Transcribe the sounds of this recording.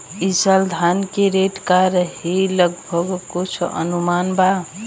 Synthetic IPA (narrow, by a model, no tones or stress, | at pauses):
isəld̪ʱankeɾeʈkaɾəɦiləɡbʱəɡkut͡ʃʰə̰numanba